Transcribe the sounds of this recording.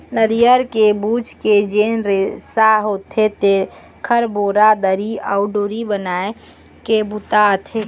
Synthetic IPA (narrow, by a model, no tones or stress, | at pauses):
nəɾijəɾkebuːt͡ʃked͡ʒeːnɾesaɦot̪ʰet̪ekʰəɾboːɾad̪əɾiɔʊɖoːɾibənaːe | kebut̪at̪ʰe